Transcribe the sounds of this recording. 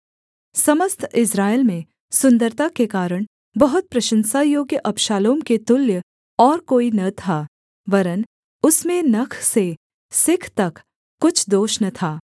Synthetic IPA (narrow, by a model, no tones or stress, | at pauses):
sɐməst̪ʰɪsɾaːelmẽ | sʊ̃nd̪əɾt̪akekaːɾəɽ̃ | bɐɦʊt̪̚pɾɐʃə̃nsajoːɡjəʔɐpʃaːloːmket̪ʊljə | ɔːɾkoːinɐt̪ʰaː | ʋɐɾən | ʊsmẽnɐkʰse | sɪkʰt̪ɐk | kːʊt͡ʃʰd̪oːʃnɐt̪ʰaː